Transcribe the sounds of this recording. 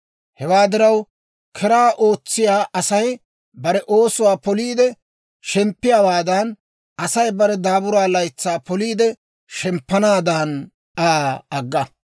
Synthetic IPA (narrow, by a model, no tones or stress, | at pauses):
hɛwaːd̪ɪɾɐw | kʰɛɾaːʔo̞ːt͡sːɪjaːʔɐsɐj | bɐɾɛʔoːsʊwaːpɔliːd̪ɛ | ʃɛmpːɪjaːwaːd̪ɐn | ɐsɐjbɐɾɛd̪aːbʊɾaːlɐjt͡sːaːpɔliːd̪ɛ | ʃɛmpːɐnaːd̪ɐːn | ʔaːɐɡːɐ